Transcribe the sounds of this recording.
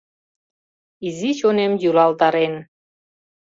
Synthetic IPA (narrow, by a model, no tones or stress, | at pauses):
izit͡ɕonemjulɑlt̪ɑɾen